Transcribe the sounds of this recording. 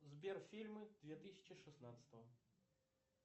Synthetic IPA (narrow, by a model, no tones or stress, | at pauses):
zbʲɛrfʲilʲmɨd̪̥vʲɛt̪ɨsʲɐ̥t͡ɕiʂɨsnat̪sə̥t̪əvɐ